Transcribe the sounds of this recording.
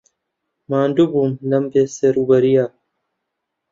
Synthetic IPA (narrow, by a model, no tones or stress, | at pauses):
maːnɖubumlɐmbeːseɾubɐɾijaː